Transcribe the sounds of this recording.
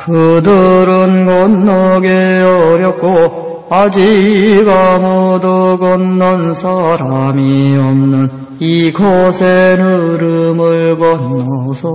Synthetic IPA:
kɯd̪ɯɾɯnɡʌnːʌɡeʌɾjʌk̚k͈o | ad͡ʑiɡamod̪ɯɡʌnːʌnsʰaɾamiʌmnɯn | ikʰʌsʰenɯɾɯmɯɭɡʌnːʌsʰʌ

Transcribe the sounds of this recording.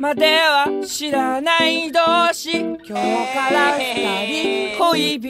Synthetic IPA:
mad̪eβaɕiɾanaid̪oːɕikʲoːkaɾat̪aɾʲikoibʲ

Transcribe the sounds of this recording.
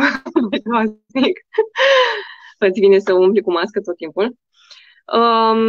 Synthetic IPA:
majt̪ɾaz | mik | pət̪sʲbinesəumplikumaskət̪ot̪̚ːimpul | ə

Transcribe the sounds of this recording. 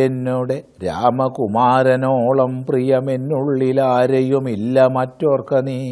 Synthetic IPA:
enːuːɽe | ɾaːmɐkumaːɾɐnoːɭɐmprijɐmenːuɭːilaːɾɐjumilːɐmɐtːoːrkɐniː

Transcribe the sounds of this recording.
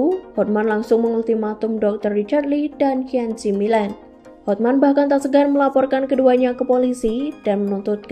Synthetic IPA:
uhɔt̪̚manlaŋsʊŋməŋult̪imat̪ʊmdɔk̚t̪ərːit͡ʃarlidankiansimilɛn | hɔt̪̚manbahkant̪asəɡanməlapɔrkankəduaɲakəpolisidanmənunt̪ʊt̪̚k

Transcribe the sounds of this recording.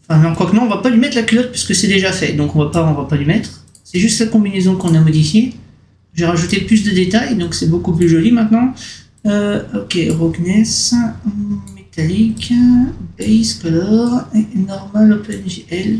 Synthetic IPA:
ɑ̃fɛ̃nɑ̃kwakmɑ̃ɔ̃vapalimɛt̪χlakʲylɔt̪̚pɥiskəsɛd̪eʒafɛd̪ɔ̃kɔ̃vapaɔ̃vapalimɛt̪χ | sɛʒyst̪lakɔ̃binezɔ̃kɔ̃namɔd̪ifje | ʒeʁaʒut̪eplys̬d̪əd̪et̪ajd̪ɔ̃ksɛbokuplyʒɔlimɛ̃t̪nɑ̃ | øɔkʲeʁɔɡnɛs | met̪alik | bɛjskɔlɔʁenɔʁmalɔpɛnʒeɛl

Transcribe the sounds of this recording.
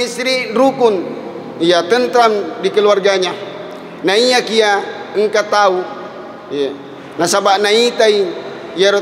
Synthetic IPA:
isɾiɾukun | ijat̪ənt̪ɾandikəluarɡaɲa | naiakiaəŋkat̪au | a | nasabaʔnait̪ai | jaɾ

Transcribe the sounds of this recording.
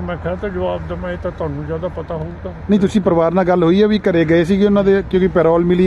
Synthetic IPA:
mɛ̃ːkʰɛːt̪ad͡ʒəʋaːb̚d̪emãːet̪ãt̪ʊaːnũːd͡ʒjaːd̪aːpət̪aːɦoːɡ̪aːnə̃ĩːt̪̬ʊsĩːpəɾʋaːɾnaːɡəlɦoːiːɛːʋiːkəɾeːɡəeːsiːɡeːʊnãːd̪eːkjõːkɪpɛːɾɔːlmɪli

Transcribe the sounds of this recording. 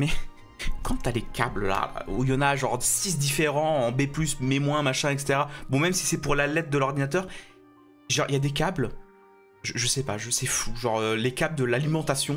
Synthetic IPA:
mɛ | kɑ̃t̪yalekʲablla̰ujɑ̃naʒɑ̃ʁd̪sis̬d̪ifeʁɑ̃ɑ̃beplysmemwɛ̃maʃɛ̃ɛkse̥t̪eʁabɔ̃mɛmsi̥sɛpuʁlalɛt̪̚d̪əlɔʁd̪inat̪œʁ | ʒɑ̃ʁijad̪ekʲabl | ʒəʒəsɛpa̰ʒəsɛfuʒɑ̃ʁølekʲabld̪əlalimɑ̃t̪asjɔ̃

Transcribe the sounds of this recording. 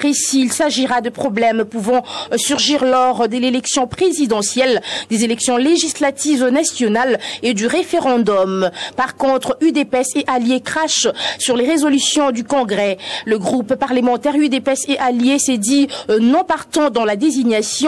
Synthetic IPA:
ʁesiːlsaʒiʁad̪əpχɔblɛmpuvɑ̃syʁʒiʁlɔʁd̪əlelɛksjɔ̃pχezid̪ɑ̃sjɛld̪ezelɛksjɔ̃leʒislat̪ivnasjɔnaled̪yʁefeʁɑ̃d̪ɔmpaʁkɔ̃t̪χyd̪epɛseʔaljekχaʃsyʁleʁezɔlysjɔ̃d̪ykɔ̃ɡʁɛləɡʁuppaʁləmɑ̃t̪ɛʁyd̪epɛseʔaljesɛd̪inɔ̃paʁt̪ɑ̃d̪ɑ̃lad̪eziɲasj̃

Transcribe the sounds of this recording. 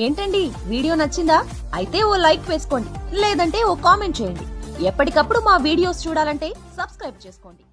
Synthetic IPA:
e̞ːɳʈɐɳɖi | ʋiːɽijo̞ːnɐt͡ʃːind̪aː | ɐjit̪e̞ːoːlɐjkʋeːsu̥ko̞ːɳɖileːd̪ɐɳʈe̞ːoːkaːme̞ɳʈ̚t͡ʃeːjɐɳɖḭɛpːɐʈikɐpːuɽumaːʋiːɽijo̞ːst͡ʃuːɽaːlɐɳʈe̞ːsɐbskɾɐjb̚t͡ʃeːsu̥ko̞ːɳɖi

